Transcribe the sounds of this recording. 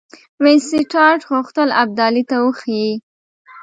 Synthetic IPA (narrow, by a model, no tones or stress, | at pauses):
wɪnsiʈɑɾʈɣʊxt̪əlab̚d̪ɑlit̪awəxii